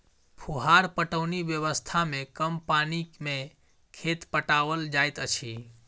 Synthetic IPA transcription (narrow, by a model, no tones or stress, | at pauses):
pʰuɦaɾpəʈəʊnibjəʋəst̪ʰamekəmpanikme | kʰet̪pəʈaʋəld͡ʒajt̪ət͡ʃʰi